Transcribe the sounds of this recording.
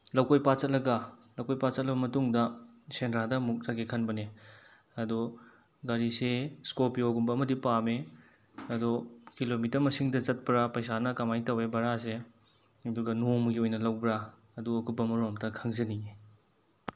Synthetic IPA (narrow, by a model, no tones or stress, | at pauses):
lɐwkojpat͡ʃɐt̚lɐɡɐlɐwkojpat͡ʃɐt̚lɐbɐmɐtuŋdɐsenɾadɐmuk̚zaɡekʰɐnbɐne | ɐdu | ɡaɾiseskopioɡumbɐːmɐdipame | ɐdukilomitɐɾmɐsiŋdɐt͡ʃɐt̚pɐɾapɐjsanɐkɐmajtɐwebɐɾas̬e | ɐduɡɐnomɡiojnɐlɐwbɾa | ɐduɐkubɐmɐɾomtɐkʰɐŋzɐnie